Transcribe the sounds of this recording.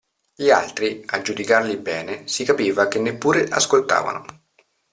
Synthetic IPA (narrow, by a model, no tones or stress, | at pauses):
ʎia̰lt̪ɾiad͡ʒːud̪ikarlibɛːnesikapiːvakenːepːuːɾeʔaskolt̪a̰ːva̰nʊ